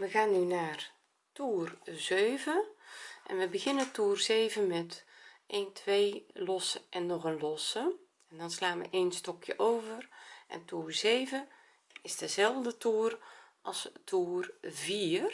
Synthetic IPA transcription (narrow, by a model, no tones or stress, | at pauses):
ʋəɣaːnːynaːr | tuːrzøːvəʔɛ̰nʋəbəɣɪnəətuːrzeːvənmɛtʔeːntʰʋejlɔsəʔɛnːɔɣənlɔsə | ɛndɑnslaːnʋə̰ʔenstɔkʰjə̰ʔowvərʔɛ̰ntuːrz̥eːvə | ɪzdəzɛlˠvdətuːrʔɑlˠstʰuːrviːr